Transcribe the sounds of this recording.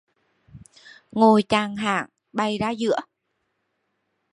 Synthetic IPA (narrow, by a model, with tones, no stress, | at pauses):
ŋo˨˩jt͡ɕaː˨˩ŋɦa̰ː˧˨ŋ | ɓa˨˩jzaː˧zɨ̰˧˥ə